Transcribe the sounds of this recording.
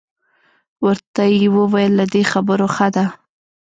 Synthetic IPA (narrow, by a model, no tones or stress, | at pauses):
wəɾt̪ajewəwajəlːad̪exabəɾoxad̪a